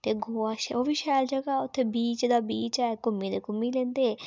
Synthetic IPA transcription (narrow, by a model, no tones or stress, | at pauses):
t̪eːɡoːaːʃoːʋiːʃɛːld͡ʒəɡaːʊt̪ʰːeːbiːt͡ʃd̪aːbiːt͡ʃɛɛkʊmːiːd̪eːkʊmːiːlẽːnd̪eː